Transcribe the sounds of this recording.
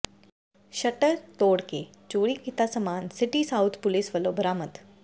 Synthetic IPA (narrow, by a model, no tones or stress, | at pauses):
ʃɐʈəɾt̪oːɽke | t͡ʃuːɽikit̪asəmaːnsɪʈisaʊt̪ʰpʊlɪsʋəlobəɾaːmət̪